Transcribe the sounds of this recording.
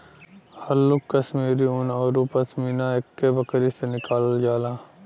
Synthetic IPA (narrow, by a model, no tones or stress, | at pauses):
hɐlːʊkːɐʃmiːɾiʊnɔːɾupəsmiːnaekːebɐkɾisenɪkaːld͡ʒaːlaː